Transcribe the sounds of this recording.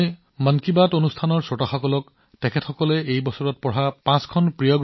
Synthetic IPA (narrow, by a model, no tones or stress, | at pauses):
mankibatonustʰanɔɹsɔtaxɔkɔlɔk | tɛkʰɛtxɔkɔlɛejbɔsɔɹɔt̚pɔɹapãskʰɔnpɹijɔɡ